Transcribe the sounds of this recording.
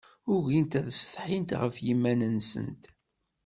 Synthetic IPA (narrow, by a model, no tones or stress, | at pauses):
ʊʝint̪æðsθħint̪ʁə̰fjimːænənsə̰nt̪